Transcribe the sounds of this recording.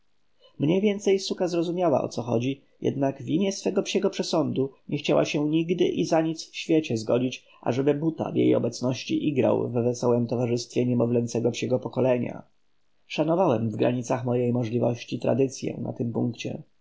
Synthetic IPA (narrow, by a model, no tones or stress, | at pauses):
mɲɛjvʲjɛnt̪sɛjsukazɾɔzumʲjawa̰ʔɔ̰t̪sɔxɔd͡ʑi | jʔɛ̰d̪naɡvʲimʲjɛsfɛɡɔpɕɛɡɔpʂɛsɔnd̪uɲʔɛxt͡ɕawa̰ɕɛɲiɡd̪ɘ̰ʔizaɲit̪sfɕfʲjet͡ɕɛzɡɔd͡ʑit͡ɕ | ʔa̰ʐɛbɘbut̪a̰vjḛjɔ̰bɛt̪snɔɕt͡ɕiʔiɡɾa̰wvːɛsɔwɛmt̪ɔvaʐɘst̪fʲjɛɲɛmɔvlɛnt̪sɛɡɔpɕɛɡɔpɔkɔlɛɲa̰ | ʂanɔvawɛmvɡɾa̰ɲit̪saxmɔjejmɔʐlʲivɔɕt͡ɕit̪ɾa̰d̪ɘt̪sʲjɛ̰na̰t̪ɘmpuŋkt͡ɕɛ̰